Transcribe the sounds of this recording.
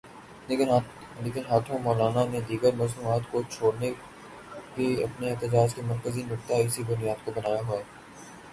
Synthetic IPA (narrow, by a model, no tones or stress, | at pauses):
leːkɪnɦaːt̪ʰõmɔːlaːnanẽd̪iːɡəɾmɐːsuːmaːt̪kot͡ʃʰoːɽne | keɐ̰pneɛɦt̪əd͡ʒaːd͡ʒkemɐɾkəzinʊk̚t̪aɪsibʊnijaːd̪kobɐnaːjaɦua